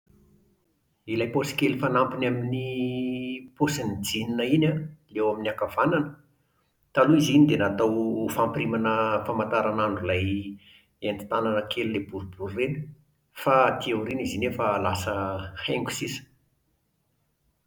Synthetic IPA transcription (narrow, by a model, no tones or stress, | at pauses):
ilajposi̥kelifanampinamini | posinid͡zininəinalewaminiakavananə̥ | t̪aluizinid̪enat̪awfampirimanəfamant̪aɾanaɳɖ͡ʐulaj | ent̪i̥t̪ananəkʰelulebuɾubuɾureni̥ | fat̪iawɾinizinefalasəheŋɡu̥sisə̥